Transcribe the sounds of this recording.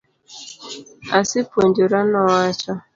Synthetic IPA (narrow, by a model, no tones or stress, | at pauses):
asɪponduɾanɔat͡ʃɔ